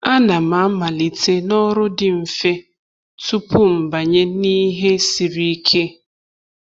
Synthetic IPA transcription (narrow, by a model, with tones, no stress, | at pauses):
a˦na˨ma˨˦ma˨li˨te˦nɔ˦ɾʊ˦dɪ˨m̩˨fe˦ | tu˦pu˦m̩˨ba˨ɲe˦ni˦ɦe˦si˨ɾi˦kʰe˦